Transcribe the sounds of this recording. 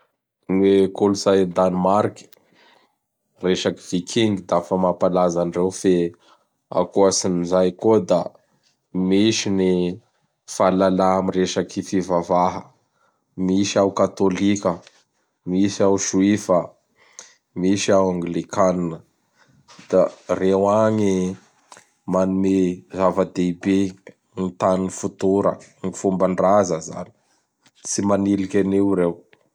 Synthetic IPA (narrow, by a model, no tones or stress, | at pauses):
nekoluzajd̪animaɾki̥ | reʃaki̥v̥ikʰiŋɡid̪afəmapalazanrewfe | a̰kuasinizajkud̪a | miʃini | falalaamiɾeʃakifivavaɦə | misiawkat̪olikʲə | misiawʃuwifə | misiawaŋɡlikaninə | d̪̥arewaɲi | manumezavəd̪eibe | nit̪anunifut̪uɾə̰ŋifumbaɳrazəza̰ni̥ | t͡simanilikʲeneuɾew